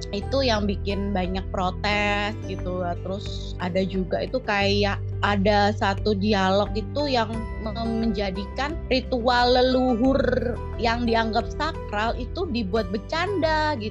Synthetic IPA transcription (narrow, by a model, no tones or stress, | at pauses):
it̪ujaŋbikɪnbaɲak̚pɾot̪ɛsɡit̪uat̪əɾʊs | adad͡ʒuɡait̪ukajaʔ | adasat̪udialɔk̚it̪ujaŋ | mməɲd͡ʒadikanrit̪ualːəluɦʊr | jaŋdiaŋɡap̚sakɾalit̪udibuat̪̚bət͡ʃandaɡit̪